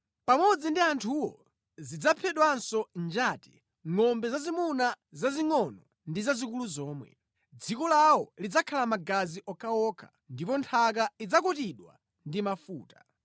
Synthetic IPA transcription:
pamɔd͡zindiantʰuwɔ | zid͡zapʰɛɗwansɔnd͡ʒaːti̥ | ŋɔmbɛzazimuna | zaziŋɔnɔ | ndizazikuluzɔːmwɛ̰ | d͡zikɔlawɔlid͡zakʰalamaɡaziʔɔkaɔkʰḁ | ndipɔntʰak̬aid͡zakɔtiɗwa̰ | ndimafuːta

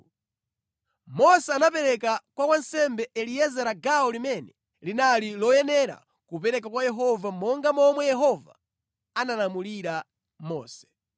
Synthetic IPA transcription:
mɔsɛanap̬ɛɾɛkakwakwansɛmbɛɛliɛzɛɾaɡaɔlimɛnɛ | linalilɔjɛnɛɾa̰ | kupɛɾɛk̬akwajɛɦɔvamɔŋɡamɔmwɛjɛɦɔva̰ | analamuliɾa | mɔ̰ːsɛ̥

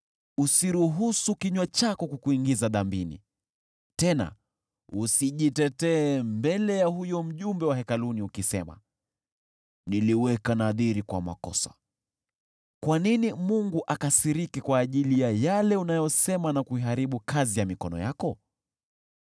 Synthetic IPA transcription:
usiɾuɦusukiɲwat͡ʃakɔkukuiŋɡizaðambinḭ | tɛna̰ | usiʄitɛtɛːmbɛlɛjahujɔm̩ʄumbɛwahɛkaluniukisɛma̰ | niliwɛkanaðiɾikwa̰ma̰kɔ̰sḁ̰ | kwaninimuŋɡuʔakasiɾikikwaːʄilijajalɛunajɔsɛmanakuiɦaɾiɓukazijamikɔnɔ̰jakɔ

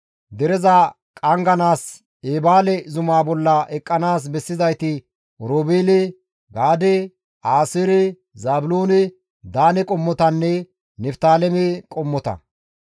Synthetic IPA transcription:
d̪ɛɾɛzɐ | kʼɐŋɡɐnaːs | eːbaːlɛzʊmaːbɔlːɐʔɛkʼːɐnaːs̬bɛsːɪzɐjt̪ɪ | ɾoːbeːlɛ | ɡaːd̪ɛ | aːsɪɾɛ | zaːbʊloːnɛ | d̪aːnɛkʼɔmːɔt̪ɐnːɛ | nɛft̪aːlɛmɛkʼɔmːɔt̪ɐ̰

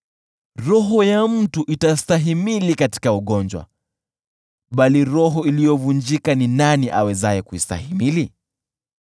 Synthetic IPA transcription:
ɾɔɦɔjam̩tuʔitastaɦimilikati̥kauɠɔnd͡ʒwa̰ | ɓaliɾɔɦɔilijɔvund͡ʒikaninaniʔa̰wɛzajɛkuista̰himili

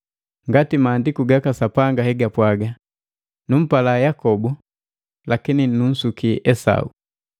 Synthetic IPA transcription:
ŋɡatimaːndikuɡakasapaŋɡahɛɡapwaɡa | num̩palajakɔbu | lakininun̩sukiɛsa̰ṵ

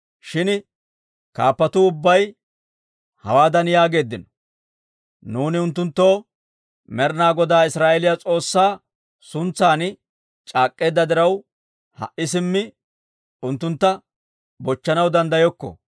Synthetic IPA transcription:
ʃɪn | kaːpːɐt̪ʊʊbːɐj | hɐ̰waːd̪ɐnjaːɡe̞ːd̪ːɪnɔ | nuːnɪʊnt̪ːʊnt̪ːo̞ː | mɛɾnaːɡɔd̪aːɪsɾaːʔɛlɪjat͡sʼo̞ːsːaː | sʊnt͡saːn | t͡ʃʼaːkʼːe̞ːd̪ːɐd̪ɪɾɐw | hɐ̰ʔɪs̬ɪmːɪ | ʊnt̪ːʊnt̪ːɐ | bɔt͡ʃːɐnɐwd̪ɐnd̪ɐjɔkːɔ̰

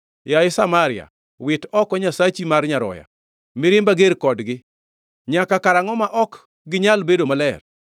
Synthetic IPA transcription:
jajɪsamaɾɪa̰ | wɪtɔkɔɲasat͡ʃimarɲaɾɔ̰ja̰ | mɪɾɪmbaɡeɾkɔdɡɪ | ɲakakaɾaŋɔmaʔɔk | ɡɪɲalbedomalɛr

